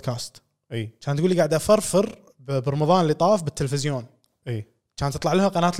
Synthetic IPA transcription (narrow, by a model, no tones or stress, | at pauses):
kaːst̪ː | at͡ʃaːnt̪ɡuːlːiɡaʕd̪ʔafɑɾˤfɪɾ | bbrˤːɑmɑðˤɑːnlːit̪ˤɑːfbɪt̪ːəlfɪzjoːn | iː | at͡ʃaːnt̪ɨt̪ˤlɑʕlahaqɑnaːt̪